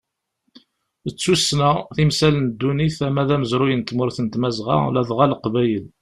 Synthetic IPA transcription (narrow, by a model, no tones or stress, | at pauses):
ət͡sːusnæθimsælənd̪ːuniθæmæðæməzɾʊjənt̪mʊɾθənt̪mæzʁɑ̰læðʁæləqvæjəl